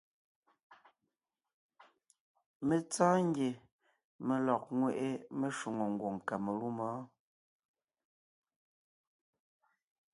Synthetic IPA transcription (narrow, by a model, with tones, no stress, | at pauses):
me˨t͡saː˦ŋ˦ɡje˨ | me˨lɔ˨k̚ŋwe˨ʔe˦me˦ʃu˨ŋo˨ŋ̩˨ɡwo˨ŋ˨ka˨me˨lu˦mɔː˨˦